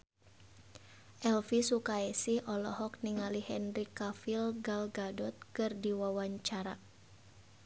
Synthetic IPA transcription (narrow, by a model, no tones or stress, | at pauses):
ʔɛlfisukaɛsihʔɔlɔhɔk̚niŋalihɛnrikafilɡalɡadɔt̪̚kɨrdiwawaɲt͡ʃaɾa